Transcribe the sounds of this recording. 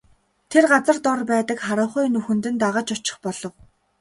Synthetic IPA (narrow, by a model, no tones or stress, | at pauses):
t̪ʰerɢat͡sə̆rt̪ʊrpæːt̪ə̆kχaɾə̆wχujnɵxɵ̆nt̪ɘ̆nt̪aʁə̆t͡ɕʊt͡ɕɪ̆χpɔɮɞ̆w